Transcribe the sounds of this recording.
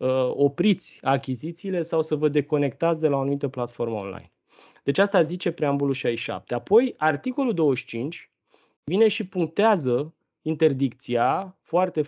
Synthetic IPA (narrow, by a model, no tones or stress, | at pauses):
əo̞pɾit̪sʲakʲizit̪siːle̞sawsəvəd̪e̞ko̞ne̞k̚t̪at̪sʲd̪e̞laanumit̪əplat̪fo̞rməonla̰jn | d̪̥e̞t͡ʃast̪azit͡ʃe̞pɾeambuluʃajʃa̰p̚t̪e̞apo̞jart̪iko̞luld̪o̞wəʃt͡ʃint͡ʃʲ | vine̞ʃipuŋk̚t̪eazə | int̪e̞rd̪ik̚t̪siafoart̪e̞